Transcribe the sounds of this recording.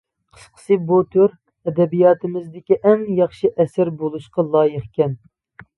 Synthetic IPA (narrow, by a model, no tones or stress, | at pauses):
qʰə̥sqʰə̥sɨbot̪ʰøɾ | ɛd̪ɛbijɑːt̪ʰɪmɪzd̪ɪkʲiʔɛŋjɑχʃiʔɛsæɾbolˠuʃqɑlˠɑːjəχkʲɛn